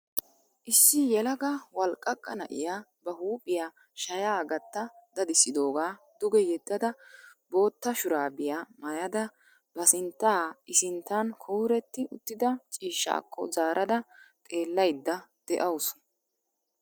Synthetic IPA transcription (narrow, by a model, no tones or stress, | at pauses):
ʔɪsːɪjɛlɐɡɐwɐlkʼːɐkʼːɐnɐ̰ʔɪ̰jaːbɐhuːpʼːɪjaː | ʃɐjaːɡɐt̪ːɐd̪̥ɐd̪ɪsːɪd̪o̞ːɡaːd̪̥ʊɡɛjɛd̪ːɐd̪ɐbo̞ːt̪ːɐʃʊɾaːbɪjaːmɐjɐd̪ɐ | bɐsɪnt̪ːaːɪsɪnt̪ːankʰɔwɾɛt̪ːɪʔʊt̪ːɪd̪ɐt͡ʃʼiːʃːa̰ːkʰːɔ̰zaːɾʔɐd̪ɐt̪ʼe̞ːlːɐjd̪ːɐd̪̥ɛʔɐwsʊ̥